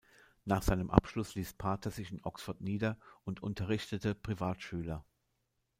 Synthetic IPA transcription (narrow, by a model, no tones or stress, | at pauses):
naːχz̥aɪnəmʔa̰pʃlʊsliːspʰaːtʰɐzɪçɪnʔɔksfʊɐtniːdɐʔʊntʰʔʊ̰ntʰɐʁ̞ɪçtətəpʁ̥ivaːtʃyːlɐ